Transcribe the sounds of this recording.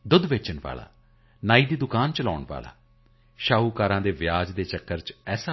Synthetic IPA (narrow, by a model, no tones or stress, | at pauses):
d̪ʊd̪ʋeːt͡ʃənʋa̰ːla̰ː | naːiːd̪iːd̪ʊkaːnt͡ʃəlaːʊɳʋa̰ːla̰ː | ʃaːɦuːkaːɾãːd̪eːʋjaːd͡ʒd̪eːt͡ʃəkːəɾt͡ʃɛːsaː